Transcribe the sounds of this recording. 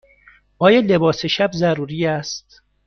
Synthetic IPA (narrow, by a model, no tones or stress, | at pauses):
ɒːjele̞bɒːseʃæbzæɾuːɾiːæst̪